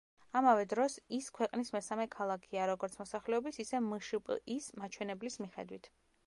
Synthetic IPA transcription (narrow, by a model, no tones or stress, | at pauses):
amavɛd̪ɾɔsiskʰwɛqʼnismɛsamɛkʰalˠakʰiaɾɔɡɔɾt̪sʰmɔsaχlɛɔbisisɛmɨʃupʼismat͡ʃʰwɛnɛblismiχɛ̰d̪wit̪ʰ